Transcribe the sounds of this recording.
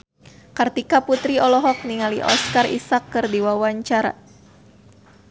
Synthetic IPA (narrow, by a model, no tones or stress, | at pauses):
kart̪ikaput̪ɾiɔlɔɦɔk̚niŋaliʔɔ̰skarḭsakːɨrdiwawaɲt͡ʃaɾa̰